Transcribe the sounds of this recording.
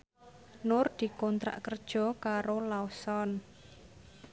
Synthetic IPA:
nʊrd̪̥i̤kɔnt̪ɾa̰ʔkərd̥ʒ̥ɔ̤kaɾolaosɔn

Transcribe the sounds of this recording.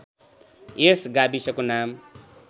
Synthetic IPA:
esɡabisʌkonam

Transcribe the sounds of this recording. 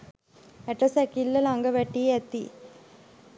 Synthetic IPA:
ɛʈːɐsɛkilːɐlaŋɡɐʋɛʈːieɛt̪ːi

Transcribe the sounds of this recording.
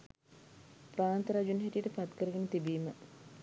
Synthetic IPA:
praːnt̪əɾad͡ʒunɦiʈijəʈəpat̪kəɾəɡenət̪ibiːmə

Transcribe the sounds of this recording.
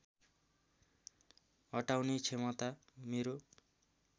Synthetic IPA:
ʌʈawnit͡sʰemʌt̪ameɾo

